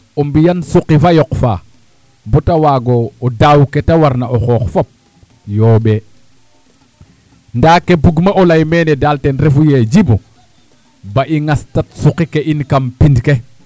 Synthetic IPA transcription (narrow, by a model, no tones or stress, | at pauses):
ɔmbijansuqifajɔkfa̰ | bɔtawaːɡoːdawketawaɾnaoxɔxfop̚ | joːɓe | ndaːkebuɡmaʔolajmeːnedaltenɾefujed͡ʒibu | baʔiŋastatsuqikeʔinkampindke